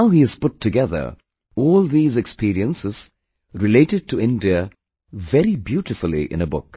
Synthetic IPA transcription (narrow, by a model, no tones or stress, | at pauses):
naʊɦiɨz̥pʊtʰːɨɡɛðə̰˞ | ɔːlˠðiːzɨkspiːɾiə̃nsɪz̥ | ɹɨleɪɾɨd̚tʰəɪ̃ndiə | vɛɾibjuɾɨfl̩ˠḭʔɪ̰̃nəbʊ̰k